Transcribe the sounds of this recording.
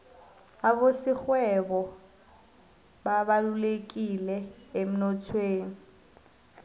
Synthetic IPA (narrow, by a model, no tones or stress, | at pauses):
abosɪk͡xwɛbɔ | babalulekʼilɛːm̩nɔtʰweːŋ̩